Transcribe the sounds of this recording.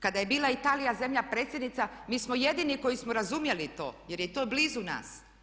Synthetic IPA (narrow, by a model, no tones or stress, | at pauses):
kad̪aje̞biːlˠait̪aːlijazemʎapɾe̞ːt̪sʲje̞d̪nit̪samiːsmoje̞d̪iniko̞jismoɾazumje̞lit̪o̞̰ːje̞ɾjet̪oːblizuna̰ːs